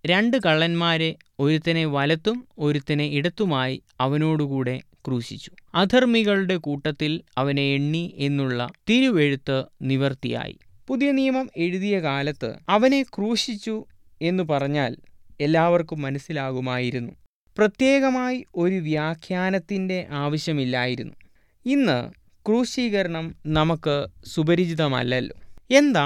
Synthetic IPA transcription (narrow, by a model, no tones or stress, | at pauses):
ɾeɳɖɨkɐɭːɐnmaːɾe | o̞ɾut̪ːɐne̞ʋɐlɐt̪ːumo̞ɾut̪ːɐne̞iɽɐt̪ːumaːjiɐʋɐno̞ːɽukuːɽe̞ | kruːɕit͡ɕːu̥ɐd̪ʱɐrmiɣɐɭuɽe̞kuːʈːɐt̪ːilɐʋɐneeɳːie̞nːuɭːɐ̰t̪iɾuʋe̞ɻut̪ːɨniʋɐrt̪ija̰ːjḭ | puðijɐnijɐmɐme̞ɻuðijɐkaːlɐt̪ːɨ̰ɐʋɐne̞kruːʂit͡ɕːu | e̞nːupɐrɐɲːaːle̞lːaːʋɐrkumːɐnɐsːilaːɣumaːjiɾunːu | prɐt̪je̞ːɣɐmaːjio̞ɾuʋjaːkʰjaːnɐt̪ːinde̞ʔaːʋɐɕjɐmilːaːjiɾunːu | inːɨ̰ | kruːʂiːɣɐɾɐɳɐmnɐmɐkːɨsubɐɾid͡ʑiðɐmɐ̰lːɐlːo̰ːe̞nd̪aː